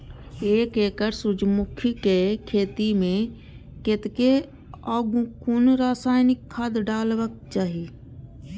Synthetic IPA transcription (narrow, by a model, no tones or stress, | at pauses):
eːkeːkəɾsʊd͡ʒmʊkʰikekʰeːt̪imẽ | kɪt̪ke | aːɡũkunɾaːsaːjnɪkʰːaːd̪ɖaːlʋək̚t͡ʃaːɦi